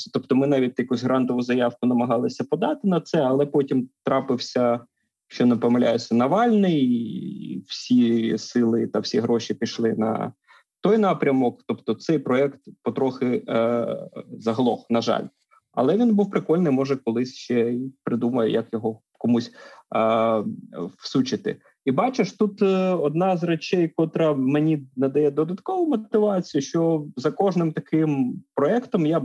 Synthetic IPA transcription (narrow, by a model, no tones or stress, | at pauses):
t̪ɔpt̪ɔmɪnɑʋʲitʲjɐkusʲɦɾɑnt̪ɔʋʊzɐjɑwkʊnɐmɐɦɑlˠɪsʲɐpɔd̪ɑt̪ɪnɐt̪sɛɐlˠɛpɔtʲimt̪ɾɑpɪwsʲɐ | ʃt͡ʃɔnɐpɔmɪlʲajʊsʲɐnɐʋɑlʲnɪj | w̥sʲisɪlˠɪt̪ɐwsʲiɦɾɔʃipʲiʃlˠɪnɐ̰ | t̪ɔjnɑpɾʲɐmɔkt̪ɔpt̪ɔt̪sɛjpɾɔɛkt̪pɔt̪ɾɔxɪ | zɐɦlˠɔxnɐʒɑ̰lʲ | ɐ̰lˠɛʋʲinbuwpɾɪkɔlʲnɪjmɔʒɛkɔlˠɪsʲʃt͡ʃt͡ʃɛipɾɪd̪umɐjɛ̰jɐkjɔɦɔ | kɔmusʲ | wsut͡ʃɪt̪ɪ̰ | ibɑt͡ʃɪʃt̪ut̪ɔd̪̚nɑzrɐt͡ʃɛjkɔt̪ɾɐmenʲinɐd̪ɐjɛd̪ɔd̪ɐt̪kɔʋʊmɔt̪ɪʋɑt͡sʲijʊʃt͡ʃɔzɐkɔʒnɪmt̪ɐkɪmpɾɔɛkt̪ɔmja